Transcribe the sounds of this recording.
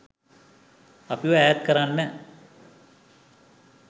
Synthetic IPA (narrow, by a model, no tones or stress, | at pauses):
ɐpiʋəæːjat̪kəɾanːɛ